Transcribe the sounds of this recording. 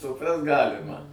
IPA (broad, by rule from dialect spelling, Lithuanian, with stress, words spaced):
sʊˈprɐst ˈɡɑːlʲɪmɐ